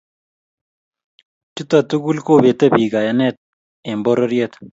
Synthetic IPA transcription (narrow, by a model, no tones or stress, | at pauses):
t͡ʃut̪ɐt̪uɡulkoːbet̪ɐbiːɡajɐnet̪̚ | emboɾɐɾijet̪